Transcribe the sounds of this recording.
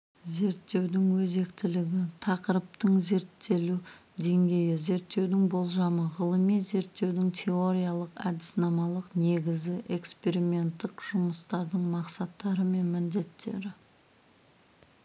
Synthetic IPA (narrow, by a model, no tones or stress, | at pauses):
ze̞ɾt̪ːe̞wd̪ɪŋwɵze̞kt̪ɪlɪɡʲɪt̪ʰɑqəɾəp̚t̪əɴze̞ɾt̪ʰːe̞lud̪e̞ŋɡʲe̞jɪze̞ɾt̪ːe̞wd̪ɪŋbo̞lˠʒɑməʁəlˠəmijze̞ɾt̪ːe̞wd̪ɪŋt̪ʲʰe̞o̞ɾʲijalˠəqæ̰d̪ɪ̥snɑmɑlˠəqne̞ɡʲɪzɪʔe̞kspe̞ɾimʲe̞nt̪ːɪkʒ̥ʊməst̪ɑɾd̪əɴmɑqsɑt̪ːɑɾəme̞nmɪnd̪e̞t̪ːe̞ɾɪ